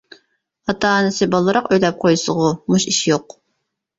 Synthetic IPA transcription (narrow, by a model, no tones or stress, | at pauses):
ɑt̪ʰɑːnɪsɪbɑlˠːɨɾɑqøjlɛp̚qʰojsəʁʊmuʃiʃjoq